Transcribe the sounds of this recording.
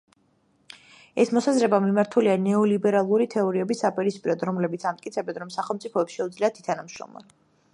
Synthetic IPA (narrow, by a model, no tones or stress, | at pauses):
ɛsmɔsazɾɛbamimaɾt̪ʰulianɛɔlibɛɾalˠuɾit̪ʰɛɔɾiɛbisːapʼiɾispʼiɾɔd̪ɾɔmlɛbit̪sʰamt̪ʼkʼit̪sʰɛbɛnɾɔmsaχɛlˠmt̪sʼipʰɔɛpsʃɛud̪zliat̪ʰi̥t̪ʰanamʃɾɔ̰mla̰n